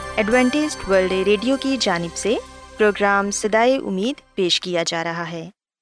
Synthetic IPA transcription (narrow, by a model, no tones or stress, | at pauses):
ɛɖʋɛ̃ːɳʈɪsʈʋəɾlɖeɾeːɖijokid͡ʒaːnɪbsepɾoːɡɾaːmsɐd̪aːiʔʊ̰mːiːd̪peːʃkijad͡ʒaːɾɐɦaɦɛː